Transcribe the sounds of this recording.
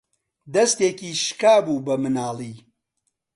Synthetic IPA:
d̪ɐst̪eːkiːʃkaːbuːbɐmɨnaːlˠiː

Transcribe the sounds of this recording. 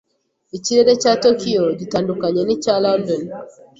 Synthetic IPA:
it͡ʃiɾɛɾɛt͡ʃatɔkiɔd͡ʒitandukaɲɛnit͡ʃalandɔn

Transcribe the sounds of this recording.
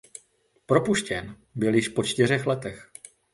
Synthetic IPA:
pɾo̞puʃcɛn | bɪljɪʃpo̞t͡ʃt̪ɪr̝ɛxlɛt̪ɛx

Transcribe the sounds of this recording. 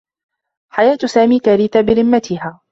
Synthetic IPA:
ħajaːt̪saːmiːkaɾiːt̪abɪɾɪmːat̪ʰɪɦaː

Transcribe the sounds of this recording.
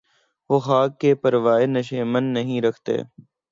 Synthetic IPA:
ʋoːxaːkːeːpəɾʋaːeːnəʃ̬eːmənːəɦĩːɾəkʰt̪ḛː

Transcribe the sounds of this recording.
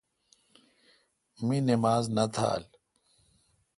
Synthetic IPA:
minimaːznɐt̪ʰa̰ːl

